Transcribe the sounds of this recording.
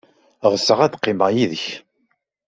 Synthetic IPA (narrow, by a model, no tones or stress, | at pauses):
ʁəsːəʁæd̪qːɪmajiðəç